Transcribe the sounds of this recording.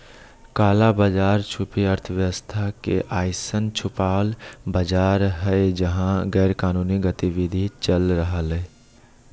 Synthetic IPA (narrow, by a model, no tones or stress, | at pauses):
kaːlabaːd͡ʒaːɾt͡ʃʰʊpiəɾt̪ʰəʋjəʋəst̪ʰakḛʔaːɪsənt͡ʃʰʊpaːlbəd͡ʒaːɾɦɛed͡ʒəɦãɡɛːɾkaːnuːniɡət̪iʋɪd̪ʱit͡ʃəlɾəɦəlɛ